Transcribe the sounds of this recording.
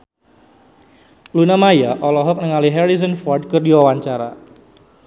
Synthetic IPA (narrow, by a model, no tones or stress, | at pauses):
lunamajaʔɔlɔɦɔk̚nəŋaliɦɛɾizənfɔrd̚kərdiwawaɲt͡ʃaɾa̰